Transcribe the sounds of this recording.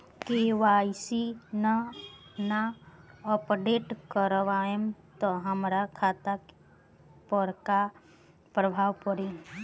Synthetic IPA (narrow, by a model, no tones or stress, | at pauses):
keʋaːjsinanaɔpɾeʈkəɾʋaemt̪ɔɦəmɾakʰaːt̪a | pəɾka | pɾəbʱaːʋpəɾi